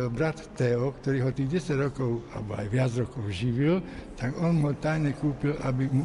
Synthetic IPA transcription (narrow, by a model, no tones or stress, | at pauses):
lbɾat̪ːɛɔkt̪ɔɾiːɦɔt̪iːɣɟɛsaɟɾɔkɔʊa̰lɛbɔa̰jʋɪad͡zɾɔkɔʊʒiʋilt̪aɡɔnmɦɔt̪ajɲɛkuːpilʔabimu